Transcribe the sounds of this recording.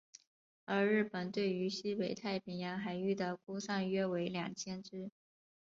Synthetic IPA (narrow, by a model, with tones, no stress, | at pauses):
ə˞˧˥ɻɻ̩˥˩pə˨˩nt̪we˥˩ɪy˧˥ɕi˥we˨˩ɪt̪ʰa˥˩ɪpʰi˨˩njɑ˧˥ŋxa˧˥ɪy˥˩t̪ɤ˥˩kʰu˥sa˥˧ŋɥɛ˥we˧˥ɪljɑ̰˨˩ŋt͡ɕʰjɛ˥nʈ͡ʂɻ̩˥